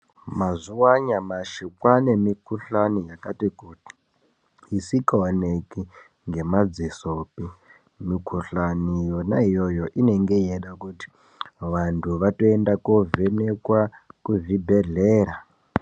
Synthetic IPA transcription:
mazuwaɲamaʃikwanemikuɬanijakatikuti̥ | isikaaneki | ŋɡe̞mad͡zisopi | mikʰuɬanijonaijojo̞ʔine̞ŋɡe̞jeɗakuti̥ | ʋantʰuʋato̞endakovenekwakuvibʱe̞ɮeːɾa

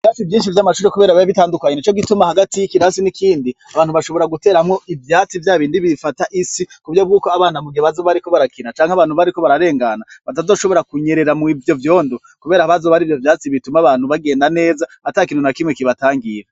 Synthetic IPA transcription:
ɾaːsivjiːnʃ̬ivjamaʃuːɾe̞kuβeːɾaβaiβitaːndukaɲe̞nit͡ʃo̞ɡitumahaɡatiikiɾaːsinikiːndiaβaːnhuβaʃo̞βo̞ɾaɡute̞ːɾamŋo̞ʔivjaːt͡sivjaːβiːndiβifataʔisikuvjob̚ɡuːko̞aβaːnamuɡioβazoβaɾiko̞βaɾakinat͡ʃaːŋhaβaːn̥huβaɾiko̞βaɾaɾe̞ːŋɡanaβatazo̞ːʃo̞βo̞ɾakuɲe̞ɾe̞ɾamivjo̞vjo̞ːndo | kuβe̞ːɾahaβazoβaɾiːvjo̞vjaːt͡siβitumaβaːn̥huβaɡe̞ːndane̞ːza | atakiːnhunakimŋekiβataːŋɡiɾa

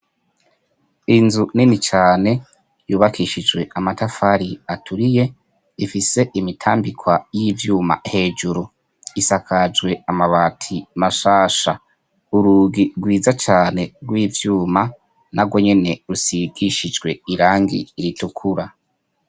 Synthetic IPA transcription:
inzuninit͡ʃaːne̞ | juːβakiʃid͡ʒɡwe̞amatafaɾiatʰuɾije̞ | ifise̞ʔimitʰaːmbikʰwajiːvjuːma̰he̞ːd͡ʒuɾu | isakad͡ʒɡwe̞amaβaːtʰimaʃaːʃa | uɾuːɡiɡwiːzat͡ʃaːne̞ɡwiːvjuːma | naɡwo̞ɲe̞ne̞ɾusiɡiʃid͡ʒɡwe̞iɾaːŋɡḭːɾitukʰuɾa

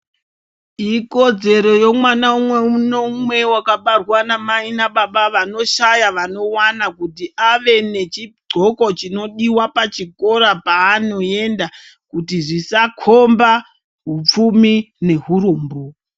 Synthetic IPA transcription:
iko̞d͡ze̞ɾo̞jo̞mwanaumwe̞unomwe̞wakaɓarwanamainaɓaɓaʋano̞ʃajaʋano̞wanakutiʔaʋe̞ne̞t͡ʃiɡ͡ǀʱo̞ko̞t͡ʃino̞ɗiwapat͡ʃiko̞ɾapaːno̞e̞nda | kutiʐisakʰomba | ɦup͡fumine̞ɦuɾoːmbo

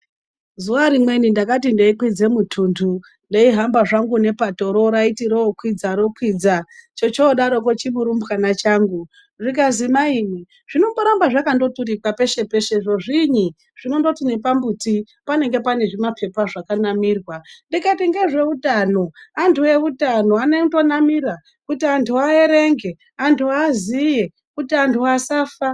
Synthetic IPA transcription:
zuaɾimwe̞nindakat̬indeikwid͡ze̞mutʰuːntʰu | ndeiɦambaʐaŋɡune̞pato̞ɾo̞ɾaitiɾoːkwid͡zaɾo̞kwid͡zat͡ʃo̞t͡ʃoːɗaɾo̞k̬ot͡ʃimuɾumbkanat͡ʃaːŋɡu | ʐikazimaiːni | ʐ̥ino̞mboɾambaʐakando̞tuɾikwape̞ʃe̞pe̞ʃe̞ʐo̞ʐiɲi | ʐ̥ino̞ndo̞tine̞pambuti | pane̞ŋɡe̞pane̞ʐimapʰe̞paʐakanamiːrwandikatiŋɡe̞ʐe̞utano̞antʰue̞utano̞anedo̞namiɾa | kutiantʰuae̞ɾe̞ŋɡe̞ | antʰuazije | kutiantʰuasaːfa

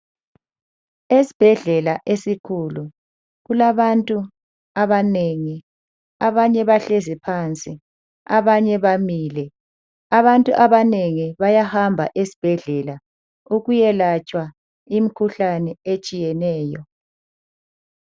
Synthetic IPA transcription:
esi̥b̥ʱɛɮɛlaʔesikʰulu | ɣulaβantʼu | aβaneŋi | aβaɲɛβaɬɛzipʰant͡sʼi | a̰βaɲɛβamilɛ | aβantʼuʔaβaneŋiβajahambʱa̰ʔesi̥b̥ʱɛɮɛla | uɣujɛlat͡ʃʼwa | imikʰuɬanɛet͡ʃʼijɛnɛːjɔ

